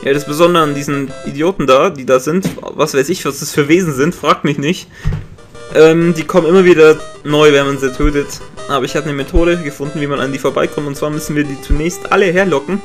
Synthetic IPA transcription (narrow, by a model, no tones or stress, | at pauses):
ja̰ːdasb̥əzɔndəʁəandiːzn̩ʔidjoːtn̩daːd̥iːdaːzɪntvasv̥aɪsɪçvasd̥asfyːɐveːzn̩zɪntfʁ̥aːk̚tmɪçnɪçt | ʔɛːmd̥iːkʰɔmənʔɪmɐviːdɐnɔʏvɛnmanziːtʰøːtətʔaːbɐɪçhaːbənəmetʰoːɾəɡəfʊndn̩viːmana̰ndiːfoɐbaɪkʰɔmtʊntt͡sv̥aːɐmʏsn̩viːɐdiːt͡sunɛːçstʔa̰ləɦeːɐlɔkŋ̩